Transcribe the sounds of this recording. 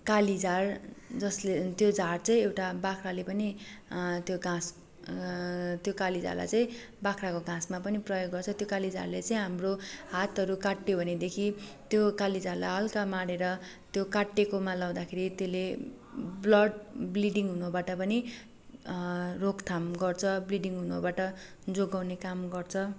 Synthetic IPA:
kalid͡zard͡zʌslet̪jod͡zart͡sʌ̃ĩewʈabakʰralepʌni | t̪joɡãs | t̪jokalid͡za̰rla̰jt͡sʌĩ | bakʰrakoɡãsmapʌniprʌjoɡːʌrt͡sʰʌt̪jokalid͡za̰rlet͡sʌĩɦamrohat̪ʌɾukaʈːjobʱʌned̪ekʰit̪jokalid͡zalaʌlkamaɽeɾʌ | t̪jokaʈːekomalaw̃d̪akʰeɾit̪jele | blʌɖbliɖiŋɦunobaʈʌpʌni | rokt̪ʰamɡʌrt͡sʰʌbliɽiŋɦunobaʈʌ | d͡zoɡawnekamɡʌrt͡sʰʌ

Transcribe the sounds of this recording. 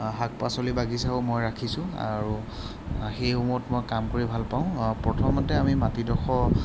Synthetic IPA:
ɦak̚pasolibaɡisaomojɹakʰisʊ̃a̰ɹu | xejumɔtmojkamkoɹibʱalpaʊ̃pɹɔtʰɔmɔtɛamimatidɔxɔ

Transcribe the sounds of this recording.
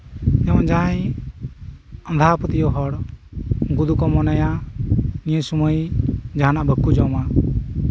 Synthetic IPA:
ɛwãd͡ʒaj | ənd̪ʱapət̪ijɔɦɔɽ | ɡud̪ukɔmɔnaja | nijəsuməjd͡ʒaɦanaʔbʱəkːud͡ʒɔma

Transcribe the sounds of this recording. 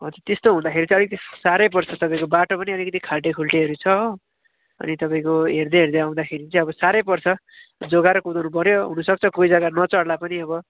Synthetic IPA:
ot̪ʌt̪est̪oɦũd̪akʰeɾit͡sʌlikʌt̪isaɾʌjp̬ʌrsʰʌt̪ʌpaĩkobaʈopʌniʌlikʌt̪ikʰalʈekʰulʈiɦʌɾut͡sʰʌ | ʌ̰nit̪ʌpaĩkoɦerd̪ʌɦerd̪ʌaw̃d̪akʰeɾit͡sʌĩʌbʌsaɾʌjpʌrsʰʌ | d͡zoɡaɾʌkud̪anupʌɾjoɦunʌsʌk̚t͡sʰʌkojd͡zakanʌt͡sʌɽlapʌniʌbʌ

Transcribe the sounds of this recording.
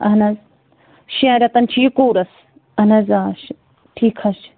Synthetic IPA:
ɐɦnɐz | ʃẽːɾɐt̪ɐnt͡ʃʰijukoːɾɐs | ɐnɐzaːʃ | ʈʰiːkʰɐʃ

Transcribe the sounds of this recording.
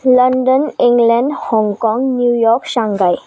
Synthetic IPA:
ləɳɖənĩŋɡlɛ̃ɳɖhɔ̃ŋɡkɔ̃ŋɡnjujɔɾkɕãŋɡaj

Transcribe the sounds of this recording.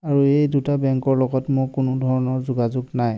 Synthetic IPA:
aɹuejdutabɛŋkɔɹlɔɡɔtmʊkʊnʊdʱɔɹɔnɔɹzʊɡazʊɡnaj

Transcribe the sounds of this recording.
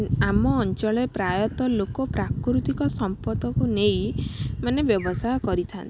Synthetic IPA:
amɔːnt͡ʃɔɭepɾajɔt̪ɔlokɔpɾakɾut̪ikɔsɔmpɔd̪ɔkunejmanebjɔbɔsajɔkɔɾit̪ʰant̪i

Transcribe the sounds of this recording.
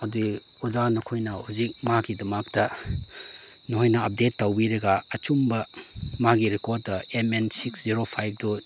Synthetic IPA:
ɐdii | uzanokʰojnɐhuzik̚maɡidɐmak̚tɐ | noɦojnɐɐp̚detːawbiɾɐɡaːt͡ʃumbɐmaɡiɾekoɾ̚dɐemensiksziɾopʰajb̚ʰdɔ

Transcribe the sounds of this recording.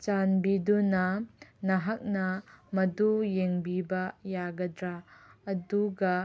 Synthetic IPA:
t͡ʃanbidunɐnɐɦɐk̚nɐmɐdujeŋbibɐjaɡɐd̪ɾaːduɡɐ

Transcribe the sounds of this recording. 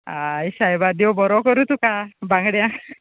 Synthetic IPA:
ajsajbad̪iowbɔɾɔkɔɾut̪ukabaŋɡɽjã

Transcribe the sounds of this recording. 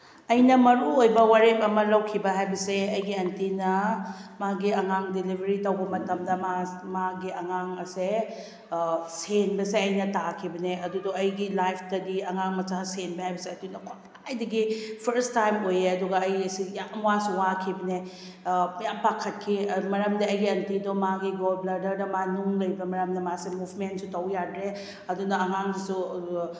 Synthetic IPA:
ɐjnɐmɐɾuojbɐwaɾepɐmɐlɐwkʰibɐɦajbɐseɐjɡiɐntinɐmaɡiɐŋaŋdilibʱɐɾitɐwbɐmɐtɐmdɐmamaɡiɐŋaŋɐse | senbɐseɐjnɐtakʰibɐneɐduduɐjɡilajpʰtɐdiɐŋaŋmɐt͡ʃasenbɐhajbɐseɐtunɐkʰo | ajdɐɡipʰɐɾstajmojeɐduɡɐɐjɐsijamwasuwakʰibɐne | jampakʰːɐt̚kʰimɐɾɐmdɐːjɡiɐntidomaɡiɡolblɐɾdɐɾdɐmanuŋlɐjbɐmɐɾɐmdɐmasemupʰmentsutɐwjadɾe | ɐdunɐɐŋaŋdisu

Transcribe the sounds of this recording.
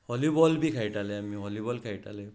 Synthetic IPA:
hɔlibɔlbikʰajtalɛamiɦɔlibɔlkʰajta̰lɛ

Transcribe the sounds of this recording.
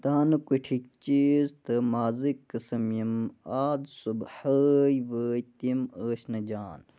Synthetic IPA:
t̪aːnɨkuʈʰik̚t͡ʃiːzt̪ɨmaːzikːɐsɐmjimaːd̪subhəːjʋəːjt̪iməːsnɐd͡ʒaːn

